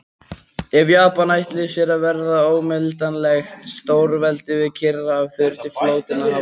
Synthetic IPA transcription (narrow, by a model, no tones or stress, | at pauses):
ɛvjaːpanajht̪lɪsjɛɾavɛɾðaoːwmɪlt̪anlɛxt̪st̪oːwɾvɛlt̪ɪvɪðcʰɪrːaːvθʏɾt̪ɪfloːwt̪ɪnːaɦa